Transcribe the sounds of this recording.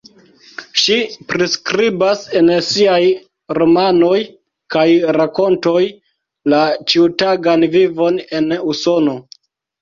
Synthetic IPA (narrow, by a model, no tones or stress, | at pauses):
ʃipɾiskɾibase̞nsiaj | ɾo̞mano̞j | kajɾako̞nto̞j | lat͡ʃiutaɡanvivo̞ne̞nuso̞no̞